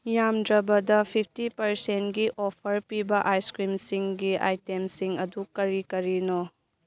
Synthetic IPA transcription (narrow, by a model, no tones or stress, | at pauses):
jamdɾɐbɐdɐpʰip̚ʰtipɐɾsentɡiʔopʰɐɾpibɐʔajskɾimsiŋɡiʔa̰jtemsiŋɐdukɐɾikɐɾino